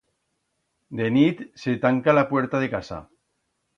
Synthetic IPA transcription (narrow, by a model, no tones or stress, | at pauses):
d̪enit̪set̪aŋkalapweɾt̪aðekasa̰